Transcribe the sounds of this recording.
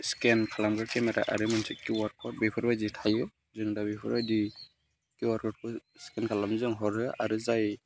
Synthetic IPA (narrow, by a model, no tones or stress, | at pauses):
skɛnkʰalambɯɾkɛmɛɾa̰ʔa̰ɾɯmɔnsɯkiwaɾkɔt̚bipʰɔɾbajditʰajɯ | zɯŋdabipʰɯɾbajdi | kiwaɾkɔt̚kʰɯskɛnkʰalamzɯŋɦɔɾɯaɾɯzaj